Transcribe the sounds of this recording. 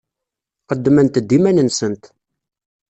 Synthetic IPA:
qəd̪ːmənt̪d̪ːimænənsənt̪

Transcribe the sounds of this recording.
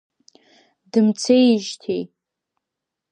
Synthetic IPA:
dɨmt͡sʰejʒtʰej

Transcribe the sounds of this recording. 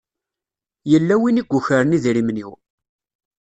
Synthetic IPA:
jəlːæwiniɡʷːuçəɾəniðiɾimnḭw

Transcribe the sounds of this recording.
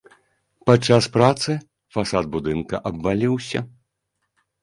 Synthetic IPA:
pat͡ʂːaspɾat̪sɨ | fasat̪̚bud̪ɨnkɐ̰ʔɐbːalʲiwsʲɐ̰

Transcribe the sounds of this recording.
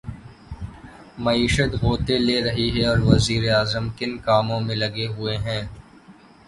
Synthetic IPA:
mɐiːʃət̪ɣoːt̪eleːɾɐɦiɦɛɔːɾʋɐziːɾeaːzəmkɪnkaːmõmẽlɐɡeɦʊeɦɛ̃ː

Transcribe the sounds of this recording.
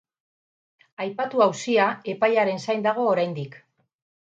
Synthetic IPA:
ajpat̪uawsiae̞pajaɾe̞nsajnd̪aɣ̞o̞ːɾajnd̪ik

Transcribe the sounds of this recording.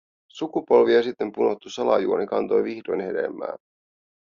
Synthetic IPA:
sukupo̞lʋiɑsit̪ːe̞mpuno̞t̪ːusɑlɑjuonikɑnt̪o̞jʋixdo̞jnhe̞̰de̞̰mːæ̰ːn

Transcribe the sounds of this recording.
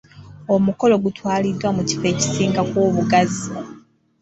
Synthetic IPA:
o̞muko̞lo̞ɡutwaːlidːwamuci̥fe̞ːci̥siːŋɡakwoːβuɡazi

